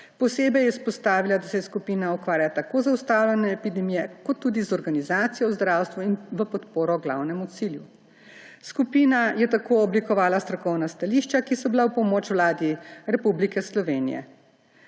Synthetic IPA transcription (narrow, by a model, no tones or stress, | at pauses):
pɔseːbɛjɛspɔst̪aːʋilad̪asɛskupiːnaukʋaːɾjaat̪akozaust̪aːwlʲɛnɛːpid̪ɛmijɛkɔt̪ːuːd̪izɔɾɡanizaːt̪sijɔzd̪ɾawst̪ʋuinʋəpɔt̪poːɾɔɡla̰wnɛmut̪silju | skupiːnajɛt̪akoɔblikɔʋaːlast̪ɾɔkɔwnast̪aliʃt͡ʃakisɔbilawpɔmot͡ʃwlaːd̪iɾɛpublikɛslɔʋeːnḭjɛ̰